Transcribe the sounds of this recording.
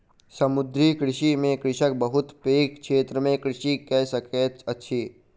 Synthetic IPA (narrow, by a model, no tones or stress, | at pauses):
sɐmʊd̪ɾikɾɪʃimẽkɾɪʃək̚bəɦʊt̪peːkkʃʰeːt̪ɾəmẽkɾɪʃikɛsəket̪ɐtːʃʰiː